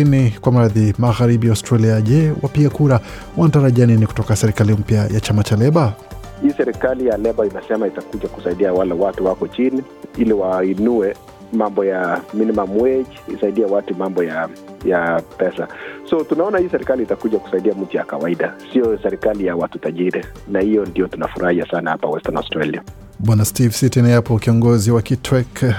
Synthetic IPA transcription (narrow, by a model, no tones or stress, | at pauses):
inikwam̩ɾaðimaɣaɾibiaʊstɾaliaʄɛwʔapiɡakuɾa | wʔantaɾaʄaniniku̥tɔkasɛɾikalim̩pjajat͡ʃamat͡ʃalɛɓa | hiːsɛɾikalijalɛbainasɛmaitakuʄakusaiɗiawalawatuwakɔt͡ʃini | iliwainuɛ | mambɔjaminimamwɛʄiisaiɗiawatumambɔjajapɛsasɔtunaɔnahiːsɛɾikaliːtakuʄaku̥saiɗiamm̩tujakawaiɗasijɔsɛɾikalijawatutaʄiɾɛ | nahijɔndijɔtunafuɾʔahiasanahapawɛstanɔ̰stɾalia | ɓwanastivsitinajapɔkiɔŋɡɔziwakitʰwɛk